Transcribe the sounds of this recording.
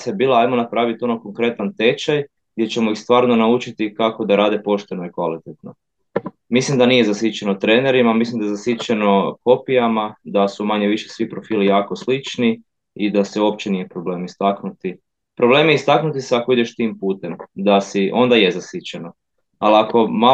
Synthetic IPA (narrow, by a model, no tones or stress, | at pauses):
sebiːlˠaajmonapɾaːʋit̪o̞noko̞ŋkɾe̞t̪ant̪e̞t͡ʃaj | ɡd̪jet͡ɕe̞moixst̪ʋaːɾno̞naut͡ʃit̪ikako̞d̪aɾaːd̪epo̞ʃt̪e̞no̞ikʋalit̪et̪no̞ | mislimd̪anije̞zasjit͡ɕenot̪ɾeːneɾimamislimd̪ajezasit͡ʃeno̞ko̞pijamad̪asumaɲeʋiʃesʋipɾo̞fiːlijaːkoslit͡ʃni | id̪aseuop̚t͡ɕe̞nije̞pɾo̞ble̞ːmist̪aknut̪i | pɾobleːmjeist̪aknut̪iseako̞id̪eʃt̪iːmpuːt̪e̞md̪asiʔo̞nd̪ajezasit͡ɕeno̞ | aliako̞ma